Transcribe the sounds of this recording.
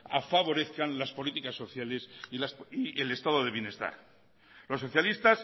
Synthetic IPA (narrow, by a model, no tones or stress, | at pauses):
afaβo̞ɾe̞θkanlaspo̞lit̪ikasːo̞θjale̞siasiele̞st̪aðoð̞e̞βje̞ne̞st̪a̰ɾ | lo̞sːo̞θjalist̪as